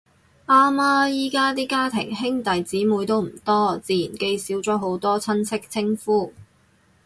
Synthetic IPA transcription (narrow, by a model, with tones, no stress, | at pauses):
ʔaː˥maː˥jiː˥kaː˥t̪iː˥kaː˥t̪ʰɪ̰˨˩ŋɦɪ˥ŋt̪ɐ˨jt͡siː˨˥muː˨˧jt̪o˥wm̩˨˩t̪ɔː˥t͡siː˨˧jiː˨˩nke˧jsiː˨˥wt͡sɔː˨˥ɦo˨˥wt̪ɔː˥t͡sʰɐ˥nsɪ˥k̚t͡sʰɪ˥ŋfuː˥